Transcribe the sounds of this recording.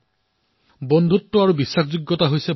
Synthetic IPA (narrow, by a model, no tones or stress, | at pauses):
bɔnd̪ʱutːɔaɹubisːakʰd͡ʒuɡːɔtaɦojse